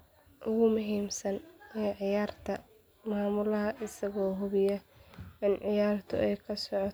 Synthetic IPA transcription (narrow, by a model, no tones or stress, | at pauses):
ʔʊɣʊmʊɦiːmsɐnɛʕɪjaːrt̪ʰɐ | maːmʊlɐɦɐʔɪsɐɣɔːɦʊβɪjɐɪnʕɪjaːrt̪ʰʊ̰ʔɛjkʰɐsɔʕɔt